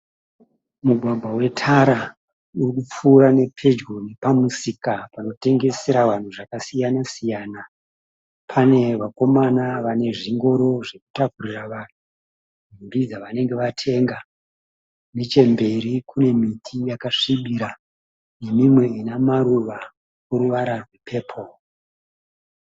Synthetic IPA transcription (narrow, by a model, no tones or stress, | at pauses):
muɡʱwaɡʱwawe̞tʰaɾa | urkup͡fuːɾane̞pʰe̞d͡ʒɡone̞pamusikapano̞te̞ŋɡe̞seɾaʋan̤uʐakasijanasijaːna | pʰane̞ʋako̞manaʋane̞ʐiŋɡo̞ɾo̞ʐe̞ku̥tapuriraʋan̤u | umbid͡zaʋane̞ŋɡe̞ʋatʰe̞ŋɡa | net͡ʃe̞mbe̞ɾikʰune̞mitʰijakaʂiɓiɾa | ne̞mimwe̞inamaɾuʋa | kuɾuʋaɾarwe̞pʰe̞ːpʰo